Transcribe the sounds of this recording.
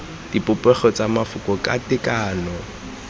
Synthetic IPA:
d̥ipʼʊpʼɛχɔt͡samafʊkɔkʼa̰tɪkʼaːnɔ

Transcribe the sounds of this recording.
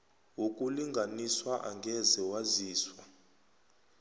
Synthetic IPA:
wuk̬ʼuliŋɡʱaniswaʔa̰ŋɡʱɛzɛwaziːswa

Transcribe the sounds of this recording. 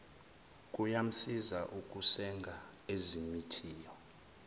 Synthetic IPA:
k̬ʼujam̩sizaʔuk̬ʼusɛŋɡʱa | ezimitʰiːjɔ

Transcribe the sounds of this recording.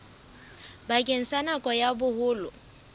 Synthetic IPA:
bakʼen̩sanakʼɔjabʊhʊːlʊ

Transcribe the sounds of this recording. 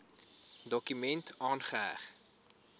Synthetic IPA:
dɔkymɛntʰɑːnχəæ̰χ

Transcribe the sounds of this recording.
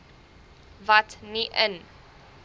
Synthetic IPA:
vɐtniʔən

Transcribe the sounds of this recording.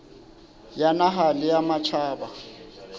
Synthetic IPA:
janaɦalɪjamat͡ʃʰaːba

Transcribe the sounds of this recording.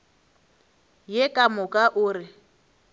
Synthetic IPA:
jekʼamʊkʼaʔʊːɾɪ

